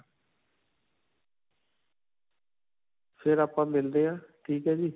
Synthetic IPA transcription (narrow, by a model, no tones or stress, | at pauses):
pʰɪɾaːpãːmɪld̪eːãːʈʰiːkɦɛːd͡ʒiː